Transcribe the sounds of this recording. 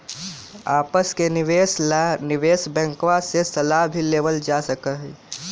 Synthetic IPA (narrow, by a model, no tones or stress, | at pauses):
aːpəskenɪʋesnɪʋeːsbɛ̃ŋkwasesəlaɦbʱileːʋəld͡ʒasəkəɦɛ